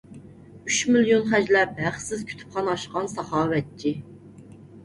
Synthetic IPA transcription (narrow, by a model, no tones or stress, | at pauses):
yʃmilijonχæd͡ʒlɛp̚hæχsɪzkʲʰy̥t̪ʰy̥pχɑnɑʃqɑnsɑχɑːwɛt̪̚t͡ʃʰi